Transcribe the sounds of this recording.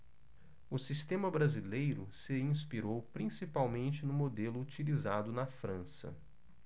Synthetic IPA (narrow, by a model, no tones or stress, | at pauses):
ʊsist̪ẽmɐbɾazilejɾʊsɪĩspiɾowpɾĩsipawmẽnt͡ʃɪnʊmod̪elʊːt͡ʃilizad̪ʊnɐfɾɐ̃sɐ̰